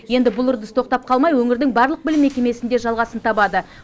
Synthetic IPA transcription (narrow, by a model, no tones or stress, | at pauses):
je̞nd̪ɪbʊlˠʊɾd̪əst̪ʰo̞q̚t̪ɑp̚qʰɑlˠmɑjwɵŋɪɾd̪ɪŋbɑɾlˠəq̚bɪlɪmːe̞kʲe̞me̞sɪnd̪e̞ʒɑlˠʁɑsənt̪ʰɑbɑd̪ə